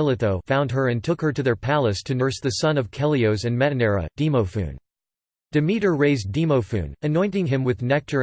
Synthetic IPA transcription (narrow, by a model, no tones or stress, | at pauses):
lˠɨtoʊfãʊ̃nd̚ə˞ɨ̃ntʰʊkhə˞ɾɨðə˞pʰælˠəstʰɨnə˞sðɨsʌ̃nʌv̥kʰɛlˠioʊzɨ̃nmɛɾɨnɛɹə̰d̥imoʊfʉ̰̃n | d̥ɨmiɾə˞ɹeɪzdimoʊfʉ̰̃nɨnɔ̃ɪ̃ntɪ̃ŋɪ̃mwɨðnɛk̚tʰə˞